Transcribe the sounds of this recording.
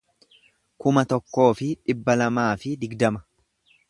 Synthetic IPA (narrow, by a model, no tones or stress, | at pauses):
kʊmɐt̪ɔkːo̞ːfɪᶑɪbːɐlɐmaːfɪd̪ɪɡd̪ɐmɐ̥